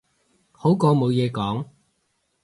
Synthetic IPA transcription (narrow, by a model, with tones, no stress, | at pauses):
ho˨˥wkɔː˧mo˨˧wjɛː˨˧kɔː˨˥ŋ